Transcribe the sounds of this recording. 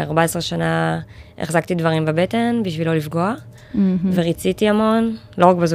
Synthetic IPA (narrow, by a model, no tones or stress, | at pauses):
a̰ʁbaesʁeʃanaḛχzaktidvaʁimbebete̞nbiʃvilo̞lifɡo̞a | ve̞ʁit͡sitiamo̞nlo̞ʁakbezu